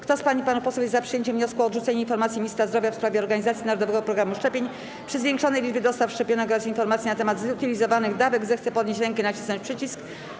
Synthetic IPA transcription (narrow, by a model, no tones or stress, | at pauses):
kt̪ɔspaɲipanupɔsɛwjɛzzapʂɨjeɲt͡ɕɛmvɲɔskuɔːd̪ʐut̪ɛɲɛinfɔɾmat̪sʲimʲiɲist̪ɾazd̪ɾɔvʲjafspɾavʲjɛɔɾɡaɲizat̪sʲinaɾɔd̪ɔvɛɡɔpɾɔɡɾamuʂt͡ʂɛpʲeɲ | pʂɘzvʲjeŋkʂɔnɛjlʲid͡ʐbɘd̪ɔst̪afʂt͡ʂɛpʲjɔnɛkɡɔɾasinfɔɾmat̪sʲinat̪ɛmad̪zut̪ɘlʲizɔvanɘɣd̪avɛɡzɛxt̪sɛpɔd̪ɲeɕt͡ɕɾɛŋkɛnat͡ɕisnɔɲt͡ɕpʂɘt͡ɕisk